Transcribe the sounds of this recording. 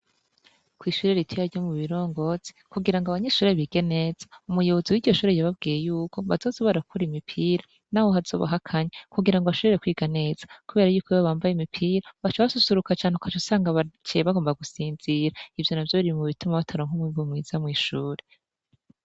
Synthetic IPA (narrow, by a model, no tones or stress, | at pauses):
kwiːʃuːɾe̞ɾitʰijaɾɟomuβiɾo̞ːŋɡo̞z̥e̥kuɡiɾaŋɡoaβaɲe̞ʃuːɾeβiɡ̥e̞nez̥aumujo̞βoziwiːɾɟo̞ʃuːɾejaβab̚ɡiːje̞juːko̞βazo̞ːsoβoɾakuɾimipʰiːɾa | naːho̞ɦazo̞̰ːβa̰ɦakʰaɲekuɡiɾaŋɡoβaʃoβeɾekwiːɡane̞z̥ḁkuβe̞ːɾajuːkʰoβaβaːmbajeimipʰiːɾaβat͡ʃaβaβasusuɾukat͡ʃaːnheukat͡ʃosaːŋɡaβat͡ʃeβaɡo̞ːmbaɡusiːnziɾaivjo̞navjo̞ɾiimuβitumaβatʰaɾoŋhumiβumŋiːz̥amŋiːʃuːɾe